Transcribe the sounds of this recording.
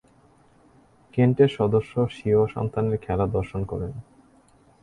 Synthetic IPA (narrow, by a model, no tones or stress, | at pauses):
keɳʈeɾʃɔd̪oʃːoʃioʃɔ̰nt̪ʰaneɾkʰɛlad̪ɔɾʃonkɔɾen